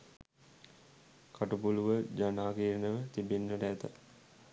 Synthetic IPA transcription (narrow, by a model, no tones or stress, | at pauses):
kʰaʈupuluʋəd͡ʒanaːkiːɾnəʋət̪ibenːəʈɛt̪ə̰